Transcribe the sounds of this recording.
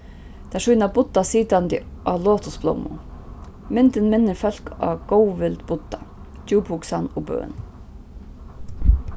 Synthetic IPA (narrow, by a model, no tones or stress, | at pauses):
t̪ʰɛʂujnabʊt̪ːasiːt̪ant̪ɪ̰ʔɑːloːt̪ʰʊsblo̰wmʊ̰ | mɪnt̪ɪnmɪnːɪɾfœl̥kʰɑ̰ːɡ̥ɔwʋɪlt̪bʊt̪ːa | d͡ʒuːphʊksanʊbø̰ːn